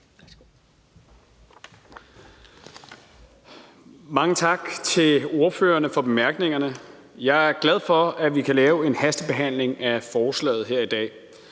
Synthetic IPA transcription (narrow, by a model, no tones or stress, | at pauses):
mɑ̈ŋət͡sʰɑ̈ɡ̥t͡sʰe̝lo̝ɐfø̰ːɐnəfɒ̽b̥e̝mæɐɡ̥ne̝ŋɐnəjɑ̈ɪæɐɡ̥læð̞ˠfɒ̽æʋikʰælɛːʊe̝nhæsd̥əb̥e̝ɦæn̰le̝ŋæfɒːslɛ̰ːɪð̞̩ˠɦe̝ɐ̰id̥ɛ̰ː